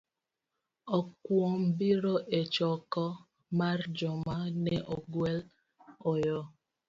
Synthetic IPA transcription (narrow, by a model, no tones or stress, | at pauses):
ɔkwɔm̩biɾoʔet͡ʃɔkɔ | maɾd͡ʒɔmanɛʔoɡwel | ojɔ